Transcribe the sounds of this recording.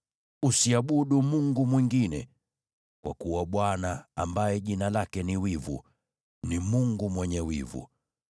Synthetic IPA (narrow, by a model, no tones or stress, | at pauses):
usiaɓuɗumuŋɡumwiŋɡinɛ̰ | kwa̰kuwaɓwanaːmbajɛʄinalakɛniwivṵ | nimuŋɡumwɛɲɛwḭvṵ